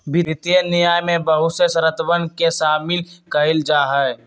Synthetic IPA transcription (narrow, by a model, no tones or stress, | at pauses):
bɪt̪ienɪjaːjmẽbəɦʊt̪sesəɾət̪wənkesaːmɪlkəɪld͡ʒaːɦɛ